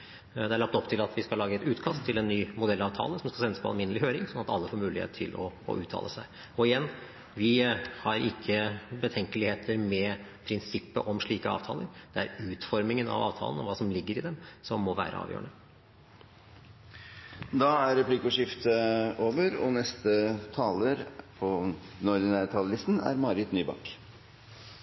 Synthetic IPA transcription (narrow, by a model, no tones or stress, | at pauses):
d̪ɛæɭɑp̚t̪ɔpt̪ʰɪlɑt̪ʰʋɪskɑlɑːɡəɛt̪ʉːt̪kʰɑst̪ʰːɪlɛnːyːmʊd̪ɛlːɑːʋt̪ʰɑ̰ːləsɔmskɑsɛnːəsəpʰɔɑlmɪnːəlɪhøːɾɪŋsɔnːɑt̪ɑlːəfoːɾmʉːlɪhḛːt̪ʰːɪ̰lʔɔ̰ʉːt̪ʰːɑ̰ləsæɪ | ɔɪjɛnː | ʋɪhɑɾɪkʰːəbət̪ʰɛŋkəlɪheːt̪ʰəɾmɛpʰɾɪnsɪpːəʔɔmʂɭiːkəɑ̰ːʋt̪ʰɑ̰ːləɾd̪̥ɛæɾʉːt̪fɔɾmɪŋənɑ̰ʋɑ̰ːʋt̪ʰɑ̰lənɔʋɑːsɔmlɪɡːəɾɪd̪ɛmsɔmːɔʋæ̰ːɾə̰ɑ̰ːʋjøːəɳə | d̪ɑæɾɾɛpʰliːkʊʂɪft̪əoːʋəɾɔnɛst̪ət̪ʰɑːləɾpʰɔnɔɾd̪ɪnæːɾt̪ʰɑːləlɪst̪n̩æ̰ɾmɑɾɪt̪nyːbɑ̰kː